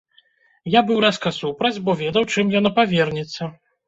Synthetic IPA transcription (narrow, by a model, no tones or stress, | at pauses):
jabɨwɾaskɐsupɾɐd͡zʲbɔvʲɛd̪ɐwt͡ʂɨmjɔnɔpavʲɛrnʲɛt̪sːɐ